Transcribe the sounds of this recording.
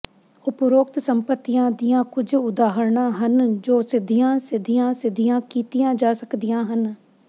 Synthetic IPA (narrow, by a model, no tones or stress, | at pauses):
ʊpɾoːk̚t̪səmpət̪ːijãːd̪ijãːkʊd͡ʒʊd̪aːɦəɾɳãːɦənd͡ʒoːsɪd̪ijãːsɪd̪ijãːsɪd̪ijãːkiːt̪ijãːd͡ʒaːsəkd̪ijãːɦən